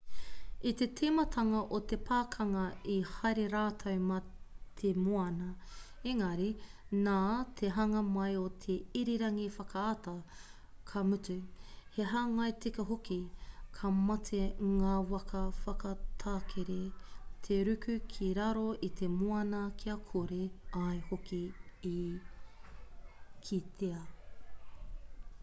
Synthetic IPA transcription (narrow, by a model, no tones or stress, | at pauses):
it̪etʰemɐtʰɐŋɐʔot̪epʰaːkʰɐŋɐihɐjɾeɾaːtʰɐwmɐt̪ʰemoɐnɐ | eŋɐɾinaːt̪ʰeɦɐŋɐmɐjot̪ʰeiɾiɾɐŋifɐkʰɐatɐ | kʰɐmʉtʉheɦaːŋɐjtekɐɦokikʰɐmɐtʰeŋaːwɐkɐfɐkɐtʰaːkʰeɾet̪ʰeɾʉkʉkʰiɾɐɾoit̪ʰemoɐnɐkʰiɐkʰoɾeɐjhokiː | kʰit̪ʰeɐ